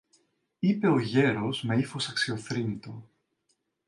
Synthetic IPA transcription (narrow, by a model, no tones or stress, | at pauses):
ipe̞o̞ʝe̞ɾo̞zme̞ifo̞sɐksio̞θɾinit̪o̞